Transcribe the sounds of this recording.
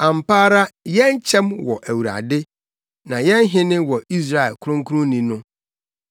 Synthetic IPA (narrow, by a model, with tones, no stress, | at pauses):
ã˨m̩˨paː˦ɾa˦jɛ̃˦n˦t͡ɕʰɛ̃˦mwɔ˨ʔæ˨wu˨ɾa̰˨dɪ˦ | nã˨jɛ̃˦n˦ɦɪ̃˦nɪ̃˦wɔ˨i˦s̬ɾa˦˨ɛ̰˨lkʰʊ˦ʊ̃˦ŋ˦kʰu˦nʊ̃˦nĩ˨nʊ̃˦